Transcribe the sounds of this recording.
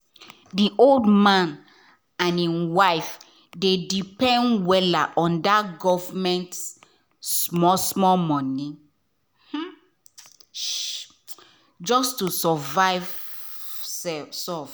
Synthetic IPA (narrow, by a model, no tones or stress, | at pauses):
diʔoldmãn | ãnĩwaɪf | dedipɛ̃ndwɛlaʔɔ̃ndaɡɔvmɛ̃nts | mɔsmɔlmɔ̃ni | hm̩ | d͡ʒɔstusɔvaɪv | sɛsɔf